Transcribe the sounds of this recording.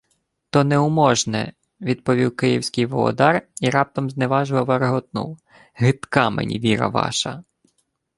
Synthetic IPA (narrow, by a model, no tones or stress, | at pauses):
t̪ɔnɛʊmɔʒnɛ̰ | ʋʲid̪̚pɔʋʲiwkɪjiwsʲkɪjʋɔlˠɔ̰d̪ɑriɾɑp̚t̪ɔmzneʋɑʒʊʋɐʋɐɾeɦɔt̪nṵw | ɦɪt̪kɑmḛnʲḭʋʲiɾɐ̰ʋɑ̰ʃɐ